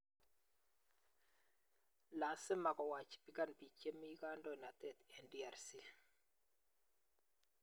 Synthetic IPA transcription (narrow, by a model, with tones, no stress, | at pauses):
la˨sɪ˦ma˨kɔ˨wa˨t͡ʃi̥˨pi˦ka˦npi˨t͡ʃe˦mi˦ka˦ndɔ˦˨na˨tɛ˨t̪ɛ˨ndi˦a˨ɾsi˨